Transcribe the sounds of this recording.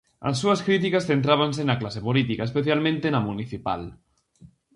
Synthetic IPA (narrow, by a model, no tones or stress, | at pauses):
a̰sːuaskɾit̪̬ikasθent̪̬ɾaβans̬enaklasepolit̪ikaespeθjalmẽnt̪enamuniθipa̰l